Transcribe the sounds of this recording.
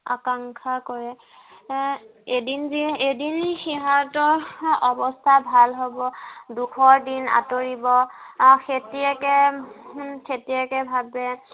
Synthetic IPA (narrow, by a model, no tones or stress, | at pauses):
a̰kaŋkʰakɔɹɛ | edinziedinxiɦaɹtɔɔbɔstʰabʱalɦobɔdukʰɔɹdina̰toɹibɔxetiɛkɛ | xetiɛkɛbʱabɛ